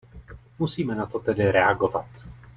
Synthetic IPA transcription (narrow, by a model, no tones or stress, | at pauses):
musiːmɛnat̪o̞t̪ɛdɪɾɛaɡovat̪